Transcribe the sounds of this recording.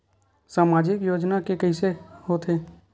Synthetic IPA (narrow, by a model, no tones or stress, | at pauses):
saːmaːd͡ʒɪkjoːd͡ʒnakekəɦɪsehoːt̪eː